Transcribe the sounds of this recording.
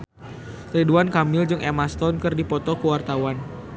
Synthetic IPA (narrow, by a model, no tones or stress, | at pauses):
riduankamɪld͡ʒɨŋemast̪ɔnkɨrdipɔt̪ɔkəwart̪awan